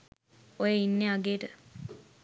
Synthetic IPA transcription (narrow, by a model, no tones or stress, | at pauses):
ojeinːeaɡeːʈə